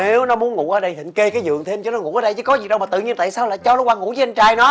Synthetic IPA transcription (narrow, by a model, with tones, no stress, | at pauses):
ne˨˦wnɔ˨˦mu˨˦ənŋṵ˧˨ʔəː˨˩ɗə˧jɦḭ˧˨ŋ̟ke˧kaː˨˦jzɨ̰˨˩əŋt̪ʰe˧mt͡ɕɔ˧˩nɔ˨˦ŋṵ˧˩˨ʔəː˨˦ɗə˧jt͡ɕɨ̰˧˦kɔ˨˦zi˨˩ɗə˧wmːa˨˩t̪ɨ̰˧˨ɲi˧ənt̪a̰ː˧˨jsaː˧wlaː˨˩jt͡ɕɔ˧nɔ˨˦waː˧ŋṵ˧˩˥zːə˧nt͡ɕaː˨˩jnɔ˨˦